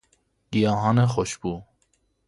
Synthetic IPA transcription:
ɡ̥ijɑɦɑːnɛxoʃbuː

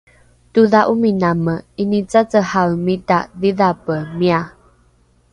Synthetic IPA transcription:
tuðaʔuminaməinit͡sat͡səhawmitaðiðapəmia

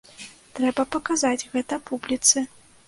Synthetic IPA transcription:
t̪ɾɛbɐpɐkazad͡zʲɣɛt̪ɐpublʲit̪sɨ

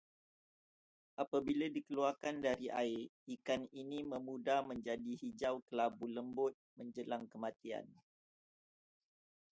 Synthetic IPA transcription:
ʔapabiladikəluarkandaɾiʔa̰iikaniniməmudahmə̃ɲd͡ʒadihid͡ʒawkəlabuləmbʊt̪̚mə̃ɲd͡ʒəlaŋkəmãt̪ia̰n

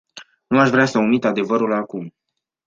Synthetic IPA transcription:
nuaʃvɾeasəumit̪ad̪e̞vəɾulakum

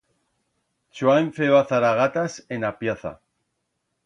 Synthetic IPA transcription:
t͡ʃuaeɱfeaθaɾaɣat̪asenapjaθa̰

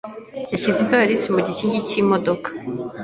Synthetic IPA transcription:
jaçizipaɾisimuɟiciːɲɟicimodo̞kḁ

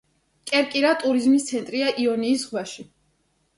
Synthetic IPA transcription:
kʼɛɾkʼiɾat̪ʼuɾizmist̪sʰɛnt̪ʼɾiaʔiɔniːsʁwaʃi

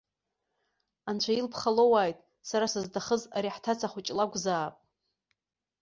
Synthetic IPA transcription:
ant͡ɕʷʰailpʰχalowaːjtʼ | saɾasɨzdaχəzaɾiħtʰat͡sʰaχʷʊt͡ʃʼlaɡʷzaːpʼ

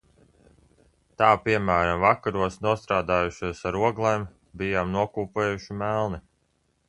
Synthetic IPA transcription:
t̪aːpiɛmæːɾamvakaɾuɔsnuɔst̪ɾaːd̪aːjuʃuɔsaɾuɔɡlˠem | bijaːmnuɔkuːpeːjuʃimælˠni

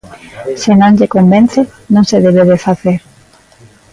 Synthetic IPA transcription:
sɪnõŋʎekombẽnθenõŋseðeβeβefaθeɾ

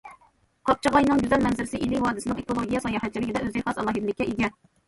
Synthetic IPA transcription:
qʰɑp̚t͡ʃʰɨʁɑjnɨŋd̪yzɛlmɛnzɪɾɪsɪʔilɪhɑːd̪ɪsɪnɨŋekolˠoɡʲijɛsɑjɑhɛt̪̚t͡ʃʰilɪkʲid̪ɛøzd̪ɪχɑsɑlˠɑːɦid̪lɪkʲːɛʔiɡʲɛ

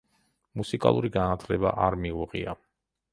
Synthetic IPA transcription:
musikʼa̰lˠuɾiɡanat̪ʰlɛba̰ʔaɾmiuʁḭa

